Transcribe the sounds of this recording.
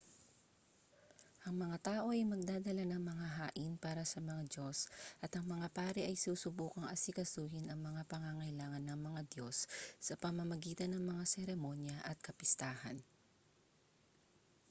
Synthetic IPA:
ʔɐŋmɐŋat̪aːʔo̞ʔɐjmɐɡ̚d̪aːd̪ɐlanɐŋmɐŋaɦaːʔɪnpaːɾɐsɐmɐŋad̪o̞sʔɐt̪ɐŋmɐŋapaːɾɛʔɐjsuːsʊbuːkɐŋɐsɪkɐsuːhɪnɐŋmɐŋapɐŋaŋɐɪlaːŋɐnːɐŋmɐŋad̪jo̞sːɐpɐmɐmɐɡiːt̪ɐnːɐŋmɐŋasɛɾɛmo̞njɐʔɐt̪̚kɐpɪst̪aːhɐ̰n

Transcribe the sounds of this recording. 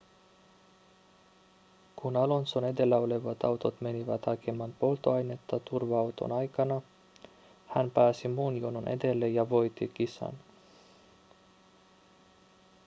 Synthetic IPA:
kunɑlo̞nso̞ne̞d̪e̞lːæo̞le̞ʋɑt̪ɑwt̪ot̪me̞niʋæt̪hɑkʰemːɑnpo̞lt̪oɑjne̞t̪ːɑt̪urʋɑɑwt̪o̞̰nɑjkɑnɑ | hænpæːsimuːnjonunʔe̞̰d̪e̞lːejɑʋo̞jt̪ːikisɑ̰n

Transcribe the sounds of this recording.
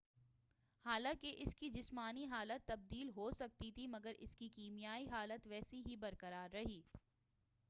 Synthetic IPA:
haːlãːkeʔɪskid͡ʒɪsmaːniɦaːlət̪ːɐb̚d̪iːlɦosɐk̚t̪it̪ʰimɐɡəɾɪ̰skikiːmijaːiɦaːlət̪ʋɛːsiɦibɐɾkɐɾaːɾːɐɦiː

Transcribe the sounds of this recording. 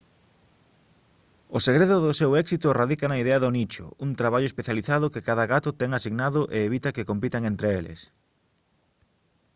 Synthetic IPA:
oseɣɾeðʊðʊsewɛksit̪ʊeraðikɐnɐiðeɐðʊnit͡ʃʊ̰unt̪ɾaβaʎʊespeθjaliθaðʊkekaðɐɣat̪ʊt̪ɛŋasiɣnaðʊʔeːβ̞it̪ɐkekompit̪aŋent̪ɾeelḛs

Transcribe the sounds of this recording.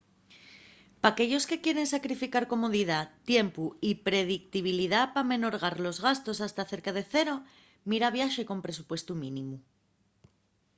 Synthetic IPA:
pake̞ʎo̞ske̞kje̞ɾe̞nsakɾifikaɾko̞mo̞ð̞iðat̪je̞mpuipɾe̞ðik̚t̪iβ̞iliðapamẽ̞no̞ɾɣ̞aɾlo̞zɣast̪o̞sast̪aθe̞ɾkaðe̞θe̞ɾo̞ | miɾaβ̞jaʃe̞ko̞mpɾe̞supwe̞st̪umĩnĩmu

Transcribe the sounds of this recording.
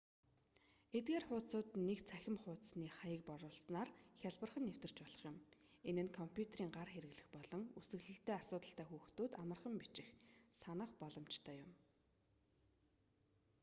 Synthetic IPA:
et̪ɡeːrχʊːt͡sʊːt̪nekt͡sʰæxʲɪ̆mχʊːt̪sniːχajə̆k̚pɔɾʊːɮsnaːrxʲjaɮpə̆rχə̆nːew̥t̪ɘ̆r̥t͡ɕpɔɮɞ̆χjʊ̆m | enɘ̆nkʰɔmpʰʲjut̪ʰeriːŋɢarxeɾɘ̆ɣɮɘ̆xpɔɮɞ̆ŋusɘ̆ɣɮɘ̆ɬt̪eːasʊːt̪ə̆ɬt̪æːxuːxt̪oːt̪amə̆rχə̆mpit͡ɕɪ̆xsanə̆χpɔɮɞ̆mt͡ɕt̪ʰœːjʊm

